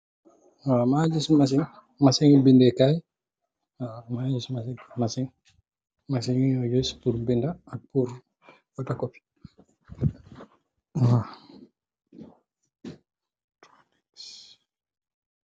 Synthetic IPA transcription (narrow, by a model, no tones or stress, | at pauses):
wamad͡ʒismas̬iŋ | masɛŋibindɛkaj | amad͡ʒismasɛmasiŋ | masiŋiɔjospuɾbindaːpuɾ | wɔtakɔfi̥ | wa | tnɛs